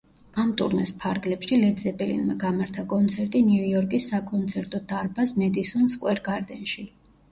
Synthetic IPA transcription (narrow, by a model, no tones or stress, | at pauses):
amt̪ʼṵɾnɛspʰaɾɡlɛpʃilɛd̪zɛpʼɛlḭnmaɡamaɾt̪ʰakʼɔnt̪sʰɛɾt̪ʼiniujɔɾkʼisːakʼɔnt̪sʰɛɾt̪ʼɔd̪aɾbasmɛd̪isɔnskʼwɛɾɡaɾd̪ɛnʃi